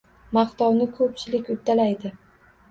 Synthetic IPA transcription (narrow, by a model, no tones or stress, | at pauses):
mɑqt̪ɒwnɪkʰɵp̚t͡ʃʰɪlɪkʲʊt̪ʰːalajd̪ɪ